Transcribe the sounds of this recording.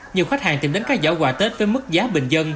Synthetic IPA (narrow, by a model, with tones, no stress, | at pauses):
ɲi˨˩əwxa˦˥k̟̚ha̰ː˨˩nt̪i˧˩mɗe˨˦nkaː˦˥k̚zə̰ː˧˩ɣwaː˧˩t̪e˦˥t̚vəː˨˦jmɨ˦˥k̚zaː˨˦ɓï˨˩ŋ̟zə˧n